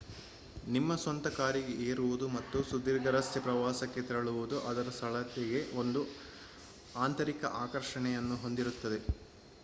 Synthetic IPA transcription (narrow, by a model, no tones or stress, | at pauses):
nimːɐsɐnt̪ɐkaːɾiɡeʔeːɾuʋud̪umɐt̪ːusud̪iːɾɡɐɾɐst̪epɾɐʋaːsɐkːe̞t̪iɾɐɭuʋud̪uʔɐd̪ɐɾɐst̪ʰɐɭɐt̪ːiɡe̞o̞nd̪u | aːnt̪ɐɾikɐ̰ʔaːkɐɾʂɐɳɛjɐnːuɦo̞nd̪iɾut̪ːɐd̪e̞